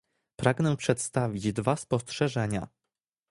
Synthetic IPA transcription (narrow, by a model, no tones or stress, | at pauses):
pɾaɡnɛpʂɛt̪st̪avʲid͡ʑd̪vaspɔstʂɛʐɛɲa̰